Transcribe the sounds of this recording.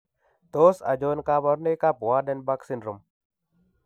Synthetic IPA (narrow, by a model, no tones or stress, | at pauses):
t̪oːsɐ̰d͡ʒoːnkaːbɐɾneːkaːpuwaːɖenbaksinɾum